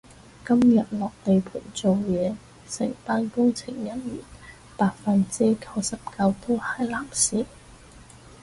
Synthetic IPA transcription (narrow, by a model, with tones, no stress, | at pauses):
kɐ˥mjɐ˨t̚lɔː˨k̚t̪e˨jpʰuː˨˩nt͡so˨wjɛː˨˧ | sɪ̰˨˩ŋt̪aː˥nkʊ˥ŋt͡sʰɪ˨˩ŋjɐ˥njy̰ː˨˩n | paː˨˧k̚fɐ˨nt͡siː˥kʰɐ˧wsɐ˨p̚kɐ˧wt̪o˥wha˨˧˥jlaː˨˩msiː˨˥